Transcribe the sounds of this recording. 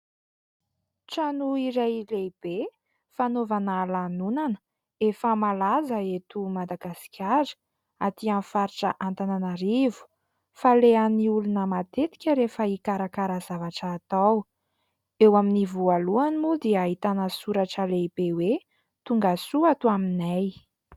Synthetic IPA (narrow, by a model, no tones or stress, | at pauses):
ʈ͡ʂanuiɾajleb̥e | fanovanalanunanə̥ | efəmalazəet̪umad̪aɡasi̥kʲaɾə̥ | at̪ianfaɾiʈ͡ʂəʔant̪ananaɾivu̥ | faleaniulunəmat̪et̪i̥kʲəɾefəikaɾakaɾəzavaʈ͡ʂəːt̪aw | ewaminivualuanimud̪iaaɦit̪anəsuɾaʈ͡ʂəlebewe | t̪uŋɡasuat̪uaminaj